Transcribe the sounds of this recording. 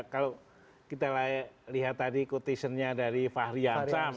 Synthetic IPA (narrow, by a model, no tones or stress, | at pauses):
kalo | kit̪alaliɦat̪ːadikut̪isənɲadaɾifahɾiasam